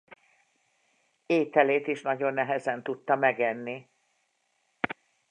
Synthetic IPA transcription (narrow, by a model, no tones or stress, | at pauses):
eːt̪ɛleːt̪iʃnɒɟo̞nːɛɦɛzɛnt̪ut̪ːɒmɛɡɛnːi